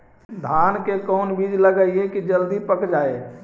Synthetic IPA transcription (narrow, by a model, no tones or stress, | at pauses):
d̪ʱaːnkekɔːnbiːd̪ʱləɡaiɦekid͡ʒəld̪ipəkd͡ʒaːe